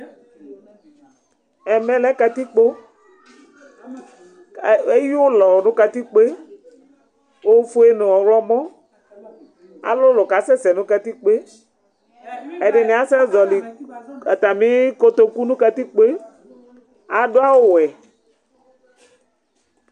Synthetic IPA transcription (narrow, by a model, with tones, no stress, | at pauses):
ɛ˨mɛ̃˨lɛ˦ka˨t̪i˦k͡po˦˨ | e˦ji˦o˦lɔ˨nũ˦ka˨t̪i˦k͡pe˦ | wo˦fo˦e˦nẽ˨wɔ˨wlɔ˦mɔ̃˦ | a̰˨lo˦lo˨ka˨sɛ˦sɛ˨nũ˦ka˨t̪i˦k͡pe˦ | ɛ˨ɖe˨nẽ˨a˦sɛ˦zɔ˨li˨a˨t̪a˨mĩ˦ko˦t̪o˦ku˦nũ˦ka˨t̪i˦k͡pe˦ | a˨ɖo˦a˦wo˦wɛ˨